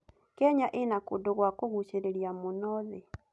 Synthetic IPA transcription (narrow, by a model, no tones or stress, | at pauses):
kɛɲaʔenakodoɣwakoɣut͡ʃeɾeɾiamonɔðɛ